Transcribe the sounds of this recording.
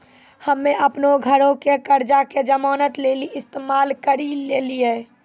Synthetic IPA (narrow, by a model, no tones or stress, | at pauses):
həmːeʔəpnoɡʱəɾõkekəɾd͡ʒaked͡ʒəmɔːnət̪leːliɪst̪eːmaːlkəɾileːlieː